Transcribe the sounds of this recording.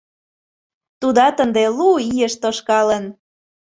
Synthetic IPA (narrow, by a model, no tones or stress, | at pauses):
t̪ud̪ɑt̪ənd̪eluijəʃt̪oʃkɑlən